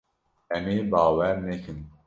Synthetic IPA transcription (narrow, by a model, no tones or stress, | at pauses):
ɛmeːbɑːwɛɾnɛkʰɨn